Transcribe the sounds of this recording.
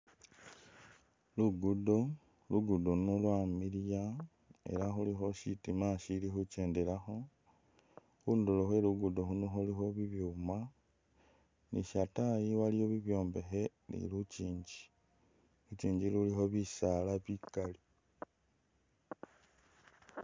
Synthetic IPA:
luɡudo | luɡudonolwamilija | e̞̰laxulixo̞ʃitimaʃilixut͡ʃe̞ːndelaxo̞ | xunduloxwe̞luɡudoxunoxulixo̞βiβjuma | niʃatajiwalijo̞βiβjo̞ːmbe̞xe̞ | nḭlut͡ʃiːɲɟi̥ | ut͡ʃiːɲɟilulixo̞βisalaβikali

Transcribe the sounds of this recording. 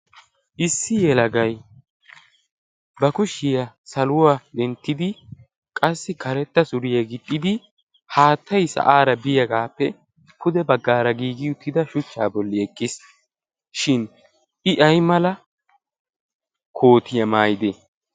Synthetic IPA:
ʔɪsːɪjɛlɐɡɐj | bɐkʊʃːɪjɐsɐlʊwaːd̪ɛnt̪ːɪd̪ɪ | kʼɐsːɪkʰɐɾɛt̪ːɐsʊɾɪjɐɡɪt̪ʼːɪd̪ɪ | haːt̪ʰːɐjsɐ̰ʔaːɾɐbɪjɐɡaːpːɛ | kʊd̪ɛbɐɡːaːɾɐɡiːɡɪʊt̪ːɪd̪ɐʃʊt͡ʃːaːbɔlːɪɛkʼːɪs | ʃɪn | ɪʔɐjmɐlɐ | kʰo̞ːt̪ɪjɐmaːjɪd̪ɛ

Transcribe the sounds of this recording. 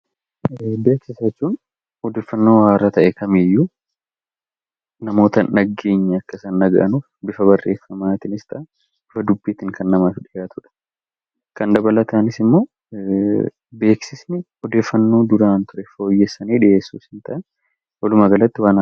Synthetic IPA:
be̞ːksɪsɐt͡ʃːuːn | ɔd̪eːfːɐnːo̞ːwaːrːɐt̪ɐʔɛkʰɐmɪjːu | nɐmo̞ːt̪ɐʔɐɡe̞ːɲːɐɐkːɐsɐnːɐɡɐʔɐnuːfbɪfɐbɐrːe̞ːfːɐmaːt̪ɪnɪst̪ɐ | bɪfɐd̪ʊbːiːt̪ɪŋkʰɐnːɐmaːfɪᶑɪjaːt̪ʰʊᶑɐ̥ | kɐnd̪ɐbɐlɐt̪aːnɪsɪmːo̞ː | be̞ːksɪsnɪ | ɔd̪e̞ːfːɐnːo̞ːd̪ʊɾaːnt̪ʊɾɛfo̞ːjːɛsːɐniːᶑɪʔeːsːuːsɪnt̪ɐʔɛn | wɐlʊmɐɡɐlɐt̪ːɪwaːna

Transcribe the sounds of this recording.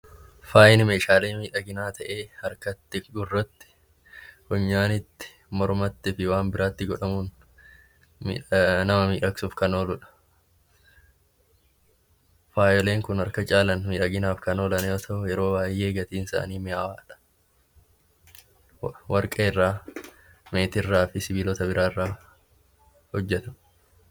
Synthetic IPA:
faːʔɪnɪme̞ːʃaːleːmiːᶑɐɡɪnaːt̪ʰɐʔe̞ːhɐɾkɐt̪ːɪɡʊrːɐt̪ːɪ̥ | hʊɲːaːnɪt̪ːɪ̥ | mɔɾmɐt̪ːɪfɪwaːnbɪɾaːt̪ːɪɡɔᶑɐmuːn | mḭːnɐmɐmiːᶑɐksʊfkɐnoːlʊᶑɐ̥ | faːjɔle̞ːŋkʊnɐɾkɐt͡ʃʼaːlɐnmiːᶑɐɡɪnaːfkɐno̞ːlɐnɛɔt̪ɐʔʊjɛɾo̞ːbaːjːe̞ːɡɐt̪iːnɪsa̰ːniːmɪjaːwaːᶑɐ̥ | wɐɾkʼeːrːaː | me̞ːt̪ɪrːaːfɪsɪbiːlɔt̪ɐbɪɾʔaːɪrːaː | hɔd͡ʒːɛt̪ɐ

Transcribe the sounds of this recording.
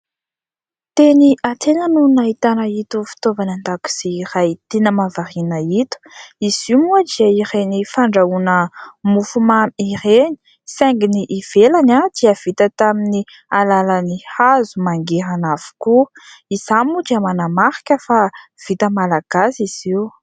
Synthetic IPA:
t̪eniʔat̪enənunaɦit̪anəit̪ufi̥t̪ovanand̪aku̥z̥iirajt̪enəmavaɾinəit̪u̥izimuadiaiɾenifaɳɖ͡ʐaunəmufumaiɾeni̥ | sɛŋɡiniʔːv̥elanad̪̥iəv̥it̪ət̪amini | alalanihazumaŋɡeɾanav̥u̥kuizamud̪iəmanamaɾi̥kʲəfav̥it̪əmalaɡ̥asiz̥iw

